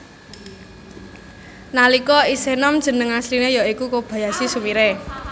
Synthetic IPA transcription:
nalikɔisenɔmd̥ʒ̥ə̤nəŋaslinejɔikukob̥ä̤jasisumiɾe

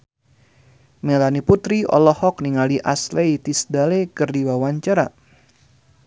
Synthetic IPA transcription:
melaniput̪ɾiɔ̰lɔhɔk̚niŋaliʔa̰slejt̪isdalekɨrdiwawaɲt͡ʃaɾa̰

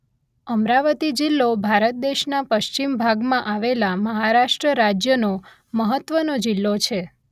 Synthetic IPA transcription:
əmɾaʋət̪id͡ʒilːobʱaɾət̪̚d̪eʃnapəʃt͡ʃimbʱaɡmãʔaʋelaməɦaɾaʃʈɾəɾad͡ʒjəno | məɦət̪ʋənod͡ʒilːot͡ʃʰe

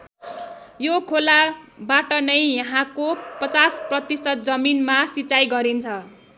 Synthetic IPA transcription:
jokʰolabaʈʌnʌjjʌɦãkopʌt͡sasprʌt̪isʌt̪̚d͡zʌminmasit͡sajɡʌɾint͡sʰʌ

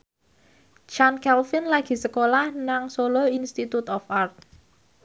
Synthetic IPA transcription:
t͡ʃankɛlfɪnlaɡ̥i̤səkolahnaŋsoloinst̪it̪ut̪ɔfart̪̚

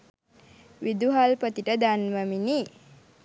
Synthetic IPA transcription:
ʋid̪uɦalpət̪iʈəd̪anməmini

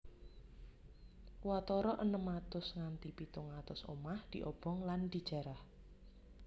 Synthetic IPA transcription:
wat̪ɔɾɔʔənəmat̪ʊsŋant̪ipit̪ʊŋat̪ʊso̰mahd̪̥iʔɔb̥ɔŋland̪̥i̤d̥ʒ̥a̤ɾah

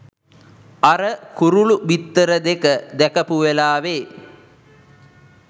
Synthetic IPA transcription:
aɾəkuɾuɭuʋit̪ːəɾəd̪ekəd̪ɛkɐpuʋelaːʋeː

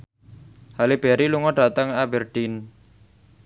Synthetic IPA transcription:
halib̥eɾiluŋɔɖat̪aŋabɛrɖ̥in

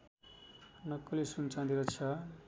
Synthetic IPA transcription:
nʌkːolisunt͡sãd̪iɾʌt͡sʰʌ

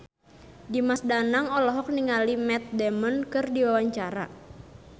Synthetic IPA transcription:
dimasdanaŋɔlɔɦɔk̚niŋalimɛt̪̚dɛmɔnkɨrdiwawaɲt͡ʃaɾa̰

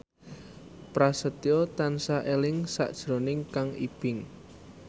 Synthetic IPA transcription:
pɾasət̪iot̪ansaʔelɪŋsa̰ʔd̥ʒ̥ɾonɪŋkaŋḭb̥ɪŋ

